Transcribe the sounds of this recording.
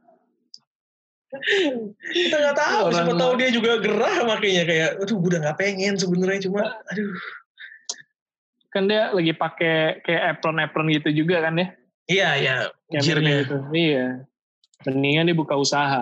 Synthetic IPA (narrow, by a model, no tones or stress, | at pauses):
kit̪aŋɡaʔt̪ausəaŋpət̪audiad͡ʒuɡaɡəɾahmakajɲakajaʔaduhɡudaŋɡaʔpeŋɛns̬əbənərɲat͡ʃumaadu | kandialaɡipakekajaʔːpɾənɛpɾənɡit̪ud͡ʒuɡakandia | ijajaiɾɲaɡit̪uija | məniŋadiabukausaɦa